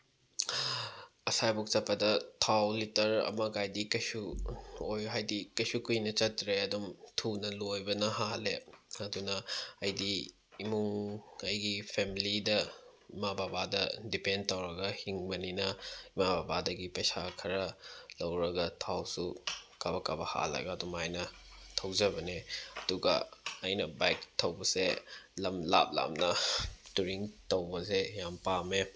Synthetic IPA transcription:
ɐsajbuk̚t͡ʃɐpːɐdɐtʰawlitɐɾɐ̰mɐkajdikɐjsuojɦajdikɐjsukujnɐt͡ʃɐtɾeɐdumtʰunɐlojbɐnɐɦaleɐdunɐɐjdiː | muŋɐjɡipʰemilidɐimababadɐdipendtawɾɐɡɐhiŋbɐninɐimababadɐɡipɐjsakʰɐɾɐlɐwɾɐɡɐtʰawsukabɐkabɐha̰lɐ̰ɡɐːdumajnɐtʰɐwzɐbɐneɐduɡɐ̰ɐjnɐbajk̚tʰɐwbɐselɐmla̰p̚la̰mnɐtuɾiŋtɐwbɐsejampame

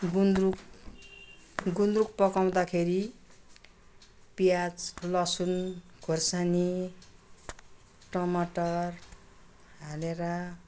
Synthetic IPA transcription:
ɡund̪ruk | ɡund̪ɾuk̚pʌkaw̃d̪akʰeɾi | pijad͡zlʌsunɡʱorsani | ʈʌmaʈʌr | ɦaleɾʌ

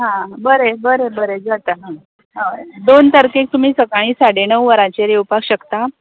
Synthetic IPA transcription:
ɦãbəɾebəɾebəɾed͡zat̪əɦã | ɦəd̪ont̪əɾkek̚t̪um̤iːsəkaɭ̃iːsaɽenəwʋəɾat͡ɕeɾewpakɕəkt̪a

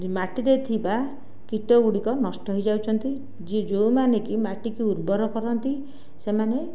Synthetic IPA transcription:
maʈiɾet̪ʰiba | kiʈɔɡuɽikɔnɔsʈɔɦɔjd͡ʒawt͡ʃʰɔnt̪i | d͡ʒid͡ʒowmanekimaʈikiuɾbɔɾɔkɔɾɔnt̪i | semane

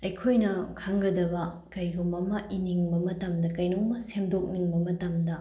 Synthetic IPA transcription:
ɐjkʰojnɐkʰaŋɡɐdɐbɐ | kɐjɡumɐmainiŋbɐmɐtamdɐkɐjnomɐsemdok̚niŋbɐmɐtamdɐ

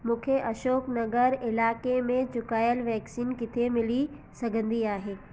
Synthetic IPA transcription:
mũːkʰeʔɐʃoːknɐɡəɾɪlaːkemẽt͡ɕʊkaːjəlʋɛːksiːnkɪt̪ʰemɪli | sɐɡʱə̃nd̪iaːɦeː

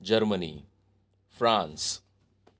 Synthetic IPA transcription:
d͡ʑəɾmənḭː | fɾãns

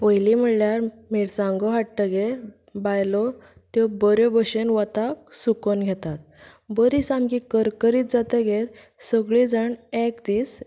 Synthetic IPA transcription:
pojlim̤əɽljaɾ | meɽsãŋɡɔɦaʈːəɡe | bajlɔ | t̪jɔbəɾjɔbəɕenʋət̪ak̚sukonɡʱet̪at̪̚ | bəɾisamkikəɾkəɾiːt̪̚d͡zat̪eɡeɾ | səɡɭid͡zaɳɛkd̪iːs

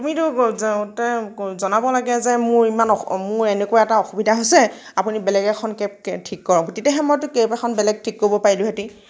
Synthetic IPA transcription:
tumitʊtɛzɔnabɔlaɡɛzɛmʊɹimanɔmʊɹɛnɛkoaɛtaɔxubidʱaɦojsɛ | apunibɛlɛɡɛkʰɔnkep̚tʰikːɔɹɔɡotitɛɦɛmɔjtʊkejpɛkʰɔnbɛlɛɡ̚tʰikːoɹibɔpaɹilʊɦeti

